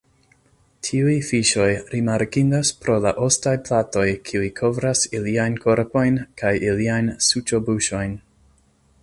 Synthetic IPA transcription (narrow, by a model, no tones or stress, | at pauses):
tʰiujfiʃo̞jɾimaɾkindaspɾo̞la̰ʔo̞stajplato̞jkʰiujkʰo̞vɾasiliajnkʰo̞ɾpo̞jnkajʔiliajnsut͡ʃo̞buʃo̞jn